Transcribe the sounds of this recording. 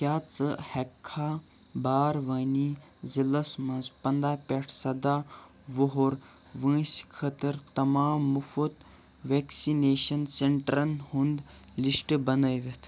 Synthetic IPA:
kʲjaːt͡sɨhɐkʰːa | baːɾʋɐːni | zilɐsmɐ̃nzpɐnd̪aːpeʈʰsɐd̪aː | ʋoɦoɾ | ʋə̃ːskʰɐt̪ɐɾt̪ɐmaːmːufut̪ | ʋeksineːʃɐnseɳʈɾɐnhund̪ | lisʈbɐnɐjʋet̪ʰ

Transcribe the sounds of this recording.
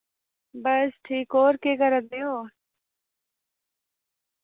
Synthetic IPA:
bəsʈʰiːkoːɾkeːkəɾət̪̚d̪eːoː

